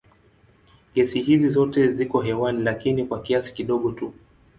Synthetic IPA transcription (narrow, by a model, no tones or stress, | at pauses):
kɛsihizizɔtɛzikɔɦɛwanilakinikwakiasi̥kiɗɔɠɔtu